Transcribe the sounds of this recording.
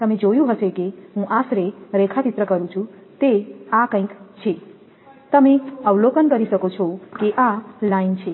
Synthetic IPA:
t̪əmẽd͡ʒojũɦəsekeɦũʔasɾeɾekʰat̪it̪ɾəkəɾũt͡ʃʰũt̪eakə̃ĩkt͡ʃʰe | t̪əmẽəwlokənkəɾisəkot͡ʃʰokeʔalaint͡ʃʰe

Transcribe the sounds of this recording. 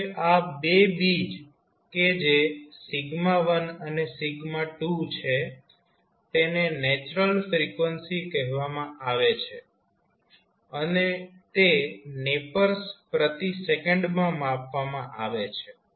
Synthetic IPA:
ʔabebid͡ʒ | ked͡ʒesɪɡmaʋənənesiɡmaʈut͡ʃʰe | t̪enenɛt͡ʃɾəlfɾikʋənsikəɦʋamãʔaʋet͡ʃʰe | ənet̪enepəɾspɾət̪isekəɳɖmãmãpʋamãʔaʋet͡ʃʰe

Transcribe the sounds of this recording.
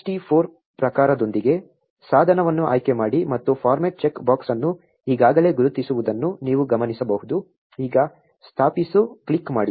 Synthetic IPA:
ʈipʰoːɾ | pɾɐkaːɾɐd̪o̞nd̪iɡe̞ | saːd̪ʱɐnɐʋɐnːuʔa̰ːjkemaːɽimɐt̪ːupʰaːɾmɐʈ̚t͡ʃekbaːksɐnːu | iːɡaːɡɐle̞ːɡuɾut̪ːisuʋud̪ɐnːuniːʋuɡɐmɐnisɐbɐɦud̪u | iːɡɐ | st̪ʰaːpisukɭikːmaːɽi

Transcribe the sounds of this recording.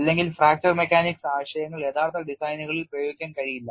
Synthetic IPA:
ɐlːeŋɡilfraːk̚t͡ɕɐrmekːaːniksaːʋɐɕjɐjɐŋːɐɭe̞ːðaːɾt̪ːɐɖisɐjnuɣɐɭilprɐjoːɡikʲːɐmkɐɻijilːɐ

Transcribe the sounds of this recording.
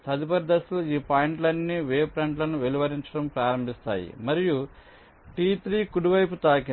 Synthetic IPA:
t̪ɐd̪ipɐɾd̪ɐsuluiːpaːjiɳʈlɐnːiʋeːpɾɐɳʈlɐnuʋeliʋɐɾiɲt͡ʃɐ̥ɽɐmpɾaːɾɐmbʱist̪a̰ːjḭmɐɾiju | ʈiːt̪ɾiːkuɽiʋɐjp̬ut̪aːki

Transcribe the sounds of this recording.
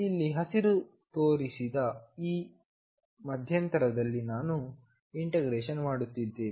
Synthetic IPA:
ilːiɦɐsiɾu | t̪o̞ːɾisid̪ɐiː | mɐd̪ʱjɐnt̪ɐɾɐd̪ɐlːinaːnu | iɳʈeɡɾeːʃɐnmaːɽut̪ːid̪ːe̞ː

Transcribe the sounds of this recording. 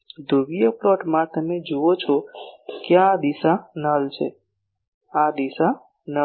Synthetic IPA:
d̪ʱubijəpɾɔʈmãt̪əmed͡ʒuot͡ʃʰɔkjaad̪isanəlt͡ʃʰe | ad̪isa | nə

